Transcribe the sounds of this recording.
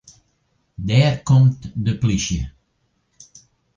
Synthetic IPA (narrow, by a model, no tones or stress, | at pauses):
dɛrkɔmtdəpliʃjə̰